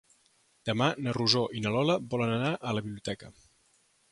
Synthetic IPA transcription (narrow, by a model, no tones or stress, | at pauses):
d̪̥əmanəruzoʔinəlɔləbɔlənənaʔələβiβliut̪ɛkə